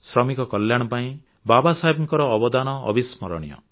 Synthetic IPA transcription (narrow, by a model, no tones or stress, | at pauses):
sɾɔmikɔkɔljaɽ̃ɔpaĩ | babasaibɔŋkɔɾɔːbɔd̪anɔ̰ːbismɔɾɔ̰ɽ̃ijɔ̰